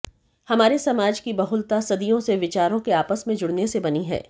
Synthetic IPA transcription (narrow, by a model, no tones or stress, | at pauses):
hɐmaːɾesɐmaːd͡ʒkibɐɦʊlt̪asɐd̪ijõseʋɪt͡ʃaːɾõkeaːpəsmẽd͡ʒʊɽnesebɐniɦɛ̰ː